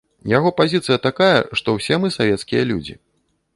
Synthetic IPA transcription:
jaɣɔpazʲit̪sɨjɐt̪akajɐ̰ʂt̪ɔwsʲɛmɨsavʲɛt̪skʲijɐlʲṵd͡zʲḭ

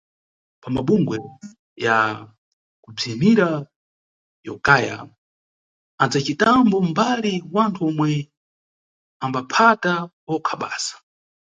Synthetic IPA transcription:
pamaɓuŋɡwɛ | ja | kub͡ʐimiɾa | jɔkaja̰ | and͡zat͡ʃitambɔmbaliwantʰuɔmwɛ | ambapʰatawɔkʰaɓa̰ːsḁ

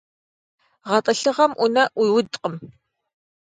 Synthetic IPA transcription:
ʁɐtʼɨɬɨʁɐmʔʊnɐʔʊjwʊdqʼəm

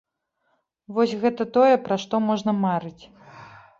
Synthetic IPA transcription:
vɔsʲɣɛt̪ɐt̪ɔjɛpɾɐʂt̪ɔmɔʐnɐmaɾɨt͡sʲ

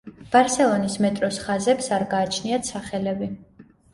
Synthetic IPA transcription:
b̥aɾsɛlˠɔnismɛt̪ʼɾɔsχazɛpsaɾɡaːt͡ʃʰniat̪sʰaχɛlɛbi

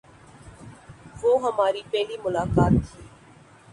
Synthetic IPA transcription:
ʋoːɦəmaːɾiːpɛɦlimʊlaːkaːt̪ʰːiː

